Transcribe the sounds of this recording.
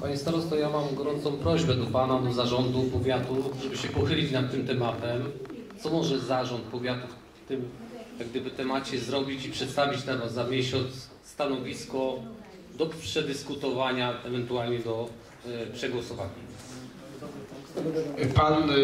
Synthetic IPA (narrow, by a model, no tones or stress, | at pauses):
paɲist̪aɾɔst̪ɔjamamɡɔɾɔnt̪sɔ̃w̃pɾɔʑbɛd̪ɔpanad̪ɔzaʐɔnd̪upɔvʲjat̪ufkt̪uʐɛbɘɕɛpɔxɘlʲit͡ɕnat̪̚ːɘmt̪ɛmat̪ɛmt̪sɔmɔʐɛzaʐɔnt̪̚pɔvʲjat̪uf | t̪ɘmjaɡ̚d̪ɘbɘt̪ɛmat͡ɕɛzɾɔbʲit͡ɕipʂɛt̪st̪avʲit͡ɕt̪ɛvɔamʲjɛɕɔt̪sː | t̪anɔvʲiskɔ | d̪ɔpʂɛd̪ɘskut̪ɔvaɲaɛvɛnt̪ualɲɛd̪ɔ | pʂɛɡwɔsɔvaɲa | pan